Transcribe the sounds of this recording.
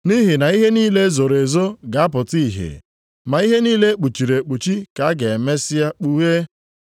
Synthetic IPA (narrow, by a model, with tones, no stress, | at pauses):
ni˦ɦɪ˨na˨i˦ɦe˦niː˦le˦zo˨ɾe˨zo˦ɡa˨a˦p̬ʊ˨ti˦˨ɦḛ˨ | ma˨i˦ɦe˦niː˦le˦k͡pu˨t͡ʃi˨ɾe˨k͡pu˨t͡ʃi˦ka˨a˦ɡe˨me˦sɪ˦a˦k͡pu˦ɦe˦